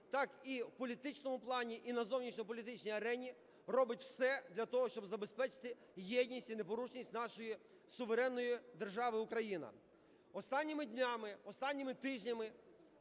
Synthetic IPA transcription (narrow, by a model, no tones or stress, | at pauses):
t̪ɑkiwpɔlʲit̪ɪt͡ʃnɔmʊplˠɑnʲiʔinɐzɔwnʲit͡ʃnʲɔp̬ɔlʲit̪ɪt͡ʃnʲijɐɾɛnʲi | rɔbɪtʲwsɛd̪lʲɐt̪ɔɦɔʃt͡ʃɔbzɐbespɛt͡ʃɪ̥t̪ɪ | jɛdʲnʲisʲtʲinepɔɾut͡ʃnʲisʲtʲnɑʃɔji | sʊʋeɾɛnːɔjid̪erʒɑʋɪʊkɾɐjinɐ̰ | ɔst̪ɑnʲːimɪd̪ʲnʲamɪɔst̪ɑnʲːimɪt̪ɪʒnʲɐmɪ